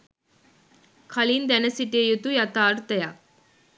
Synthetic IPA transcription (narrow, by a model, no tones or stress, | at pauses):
kʰɐlind̪ɛnɐsiʈiejut̪ujɐt̪aːɾut̪ɛja